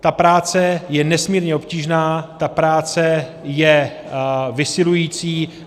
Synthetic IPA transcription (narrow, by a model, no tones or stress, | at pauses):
t̪apɾaːt͡sɛjɛnɛsmiːɾɲɛo̞pciːʒnaːt̪apɾaːt͡sɛjɛ | vɪsɪlujiːt͡siː